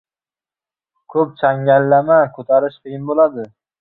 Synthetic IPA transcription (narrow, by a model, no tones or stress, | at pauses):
kʰɵp̚t͡ʃʰaŋʲalːamakʰɵt̪ʰaɾɪʃqʰɨjɪnbolad̪ɪ